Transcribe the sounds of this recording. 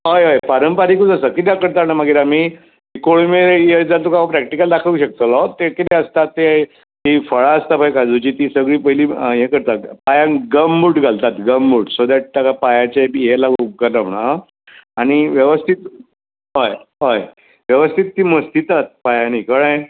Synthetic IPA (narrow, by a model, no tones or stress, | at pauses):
ɦojɦəjpaɾəmpaɾikud͡zəsəkit̪akəɾt̪aɾnamaɡiɾami | ikoɭumeɾjed͡zalt̪ukakapɾɛk̚ʈikəld̪akʰəʋɕək̚t̪əlɔt̪ekit̪ẽəst̪at̪ːe | t̪ifəɭaəst̪apajkad͡zut͡ɕiːt̪isəɡɭiːpəɦiliːjẽkəɾt̪apajãɡəmːuʈɡʱalt̪at̪ɡəmːuːʈsod̪ɛʈ̚t̪akapajat͡ɕejelaɡuɡanamɳa | aɽ̃iʋjəʋəst̪ʰit̪ | ɦojɦoj | ʋjəʋəst̪ʰit̪ːiməst̪ʰit̪at̪̚pajãnikəɽ̃ə̃j